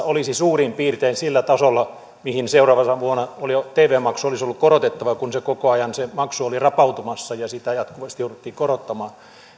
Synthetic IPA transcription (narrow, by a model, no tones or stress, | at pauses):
olisisuːrimpiːrt̪einsilːæt̪ɑsolːɑ | mihinseurɑːʋɑsɑʋuonɑolit̪eːʋˑeːmɑksuolisolːukorot̪et̪ːɑʋɑkunsekokoɑjɑnsemɑksuolirɑpɑut̪umɑsːɑjɑsit̪æjɑt̪kuʋɑst̪ijouɾut̪ːiːkorot̪ːɑmɑː